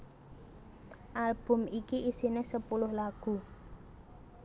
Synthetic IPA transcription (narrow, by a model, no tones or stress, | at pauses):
ʔalb̥ʊ̤mikiʔisinɪhsəpulʊhlaɡ̥ṳ